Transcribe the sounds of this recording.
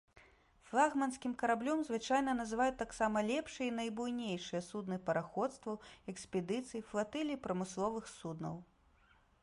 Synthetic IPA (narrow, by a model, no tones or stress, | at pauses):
flˠaɣmɐnskʲimkɐɾablʲɔmzvɨt͡ʂajnɐnɐzɨvajut̪ːaksamɐlʲɛpʂɨjɛinɐjbujnʲejʂɨjɐsud̪nɨpɐɾaxɔt̪st̪vɐwɛkspʲɛd̪ɨt̪sɨjiflˠat̪ɛlʲipɾɐmɨslˠɔvɨxsud̪nɐ̰w